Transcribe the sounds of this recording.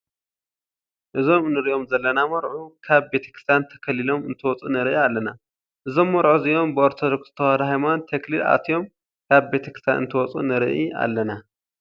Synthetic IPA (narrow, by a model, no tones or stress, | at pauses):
ʔɨzo̞mnɨɾiʔo̞mzɐlːɐnamɐɾʕukʰaβbe̞t̪ʰɐ̥kʰɾɨ̥st̪ʰant̪ʰɐ̥kʰɐlilo̞mɨnt̪ʰɐwɔt͡sʼunɨɾʔialːɐna | ʔɨzo̞mːɐɾʕuzɨjo̞mbɨoɾt̪ʰod̪okst̪ʰɐwad̪ɐɦajmant̪ʰeklila̰t̪ʰjo̞m | kʰaβbe̞t̪ʰɐkɾɨ̥st̪ʰanɨ̰nt̪ʰɐwɔt͡sʼṵnɨɾɨ̰ʔia̰lːɐna